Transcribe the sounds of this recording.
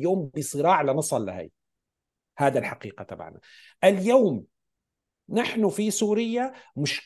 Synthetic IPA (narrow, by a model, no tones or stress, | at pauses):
joːmbɪsˤɨɾɑːʕlanɑsˤɑlːa̰ha̰j | haːd̪alħaqiːqat̪aba̰ʕna̰ | ʔɪljaːm | naħnʊfisuːɾɪjːamʊʃ